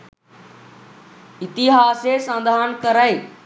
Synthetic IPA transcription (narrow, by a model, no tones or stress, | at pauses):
ɪt̪iɦaːsesãnd̪ʱaːənkəɾaeː